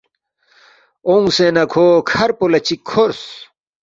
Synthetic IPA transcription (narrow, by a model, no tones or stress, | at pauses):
oŋɡsenɐkʰoːkʰɐɾpolɐt͡ɕikʰːoɾs